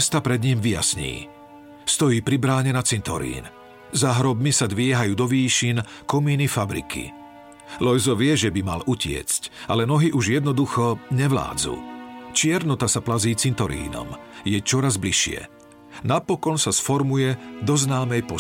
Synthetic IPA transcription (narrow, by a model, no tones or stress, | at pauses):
st̪apɾɛd̪ɲimʋija̰sɲḭː | st̪ɔjiːpɾibɾaːɲɛnat͡sint̪ɔ̰ɾḭːn | zaɦɾɔbmisad̪ʋɪɛɦajuːd̪ɔʋiːʃinkɔmiːnifabɾḭkʰḭ | lɔjzɔʋɪɛʒɛbima̰lucɪɛ̰t͡scalɛnɔɦiʔuʒjɛd̪nɔd̪uxɔɲɛʋla̰ːd͡zṵt͡ʃɪɛɾnɔt̪asaplaziːt͡sint̪ɔɾḭːnɔ̰mjɛt͡ʃɔɾazbliʃɪɛ̰ | napɔkɔnsasfɔɾmujɛd̪ɔznaːmɛjpɔ